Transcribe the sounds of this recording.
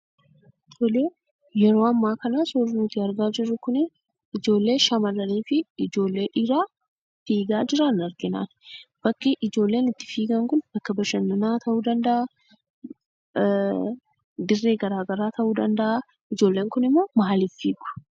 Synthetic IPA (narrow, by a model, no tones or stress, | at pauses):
t̪ɔleː | jɛɾo̞ːɐmːaːkɐnasoɾnʊt̪ɪɐɾɡaːd͡ʒɪrːʊkʊnɪ | ɪd͡ʒo̞ːlːe̞ːʃɐmɐlːɐniːfɪɪd͡ʒo̞ːlːe̞ːᶑɪɾaː | fiːɡaːd͡ʒɪɾɐnɐɾɡɪna̰ːnb̥ɐkːɪʔɪd͡ʒo̞ːlːeːnɪt̪ːɪ̥fiːɡɐŋkʊnbɐkːɐbɐʃɐnːɐnaːt̪ɐʔuːd̪ɐnd̪ɐʔa | d̪ɪrːeːɡɐɾaːɡɐɾaːt̪ʰɐʔuːd̪ɐnd̪ɐʔa | ɪd͡ʒoːlːe̞ːŋkʊnɪmːoːmaːlifːiːɡʊ̥